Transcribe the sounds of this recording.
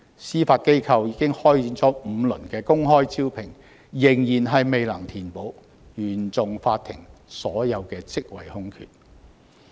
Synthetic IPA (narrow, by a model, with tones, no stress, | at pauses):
siː˥faː˧t̚ke˥jkʰɐ˧wjiː˨˧˥kɪ˥ŋhɔː˥jt͡siː˨˥nt͡sɔː˨˥m̩˨˧lɵ˨˩nkɛː˧kʊ˥ŋɦɔː˥jt͡siː˥wpʰɪ˨˩ŋ | jɪ˨˩ŋjiː˨˩nɦɐ˨jme˨jlɐ˨˩ŋt̪ʰiː˨˩npo˨˧˥w | jyː˨˩nt͡sʊ˨ŋfaː˧t̪ʰɪ̰˨˩ŋsɔː˨˥jɐ˨˧wkɛː˧t͡sɪ˥k̚wɐ̰˨˩jhʊ˥ŋkʰy̰ː˨t̚